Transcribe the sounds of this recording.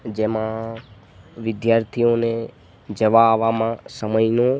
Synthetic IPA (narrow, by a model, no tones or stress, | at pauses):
d͡ʒemã | ʋɪd̪jaːɾt̪ʰijõne | d͡ʒəʋaʋamãsəməjno